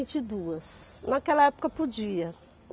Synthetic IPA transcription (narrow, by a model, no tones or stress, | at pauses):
t͡ʃɪd̪uɐsnɐkɛlɐɛpo̥kɐpod͡ʒiɐ